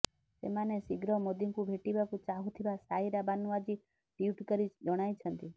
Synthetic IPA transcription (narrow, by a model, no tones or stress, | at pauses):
semanesiɡɾɔmod̪iŋkũbʱeʈibakũt͡ʃaɦut̪ʰibasaɦiɾabanuʋad͡ʒi | ɖiuʈkəɾid͡ʒɔɽ̃ajt͡ʃʰənt̪i